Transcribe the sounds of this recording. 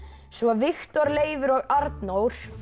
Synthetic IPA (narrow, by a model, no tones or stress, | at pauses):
svɔvɪxt̪ɔɾleːjvʏɾɔɣaɾt̪nowɾ̥